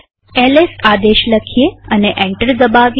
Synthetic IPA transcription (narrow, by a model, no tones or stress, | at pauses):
elesad̪eʃləkʰijeəneʔɛ̃ɳʈəɾd̪əbaʋ